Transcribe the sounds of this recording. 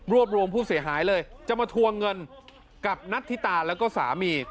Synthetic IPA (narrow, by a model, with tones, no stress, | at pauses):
ɾu˥˩əp̚ɾu˧əmpʰuː˥˩si˩˦əɦaː˩˦jlɤː˧jt͡ɕa˨˩maː˧t̪ʰu˧əŋɤ˧n | ka˨˩p̚na˦˥t̪ʰːiː˥˩t̪aː˧lɛː˦˥wkɔː˥˩sa̰ː˩˦miː˧